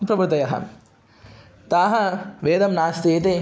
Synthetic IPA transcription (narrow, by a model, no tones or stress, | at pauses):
pɾɐʋɾɨt̪ɐjɐɦɐ̰m | t̪aːɦɐʋeːd̪ɐmnaːst̪eːt̪e